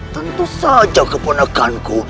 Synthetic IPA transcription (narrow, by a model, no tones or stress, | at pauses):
t̪ənt̪usad͡ʒakəpunakanku